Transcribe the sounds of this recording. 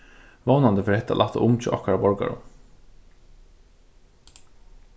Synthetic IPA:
ʋoːnɑnd̪əfœɾhɛt̪ɑ̰lɑt̪ə̰ʔʊmt͡ʃʰə̰ʔɔ̰kɑɾbɔɹɡɑ̰ɹʊ̰

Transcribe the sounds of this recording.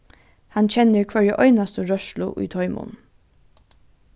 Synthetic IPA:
hɑnçɛnəukʰʋœɹjəʔœʏnɑst̪əɹœʃlʊ̰ʔḭːt̪ʰɔʏmʊ̰n

